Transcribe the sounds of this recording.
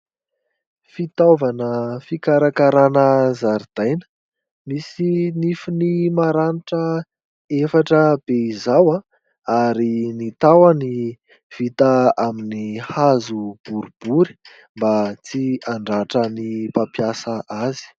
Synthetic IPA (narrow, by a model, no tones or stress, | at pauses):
fit̪avanəfikaɾakaɾanəzaɾid̪̥ajnə̥ | misinifinimaɾaniʈ͡ʂə | efaʈ͡ʂəb̥eizawã | aɾinit̪awani | v̥it̪aaminihazub̥uɾub̥uɾi̥ | mbat͡siaɳɖ͡ʐaʈ͡ʂənipapjasaʔazi̥